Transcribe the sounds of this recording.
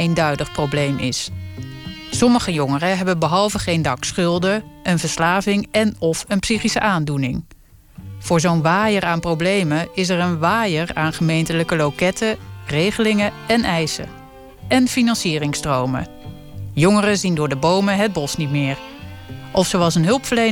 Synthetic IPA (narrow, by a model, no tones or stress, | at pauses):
ejndœɥdəχprowblejmʔɪs | sɔməχəjʊŋərəɦɛbənbəɦɑlˠvəχejndɑksχʏlˠdəənvəɹslaːvɪŋɛnɔfənpsiχisəʔaːndunɪŋ | v̥ʊːɹzownʋaːjəraːnprowblejməɪs̬ɛɹənʋaːjəɹaːnχəmejntələkəlowkɛtərejχəlɪŋəɛnɛjsə̰ | ʔɛnfinɑnsiːrɪŋstrowmə̰ | jɔŋərəzindʊːɹdəbowməɦəd̚bɔsnit̚mɪːɹ | ʔɔfsowɑlˠs̬ənɦɵlˠpfəɹlej